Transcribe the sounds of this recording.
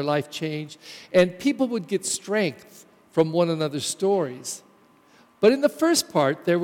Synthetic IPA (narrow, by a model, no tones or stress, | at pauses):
ə˞laɪft͡ʃʰẽɪ̃nd͡ʒʔɨ̃npʰipl̩ˠwəd̚ɡɛtstɹ̥ɛ̃ŋk̚θ | fɹʌ̃mwʌ̃nənʌðə˞stɔɹiz̥ | b̥ʌɾɨ̃nðəfɜ˞spʰɑɹt̪̚ðə˞